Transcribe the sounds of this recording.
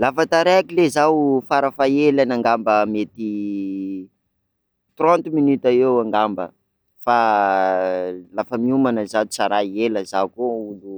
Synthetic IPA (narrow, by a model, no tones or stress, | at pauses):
lafət̪aɾeakilezawfaɾafaelanaŋɡambəmet̪i | t̪rɔ̃nt̪minit̪aewaŋɡambə̰ | fa | lafəmiumanəzat͡saɾaieləzakoulu